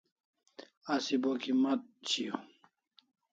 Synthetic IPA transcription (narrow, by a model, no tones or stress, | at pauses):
asibokimat̪̚t͡ɕʰiu